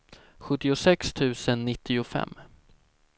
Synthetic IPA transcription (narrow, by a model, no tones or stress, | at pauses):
ɧɵt̪ːɪʊsɛkst̪ʰʉ̟ːsənːɪt̪ʰːɪʊfɛ̰mː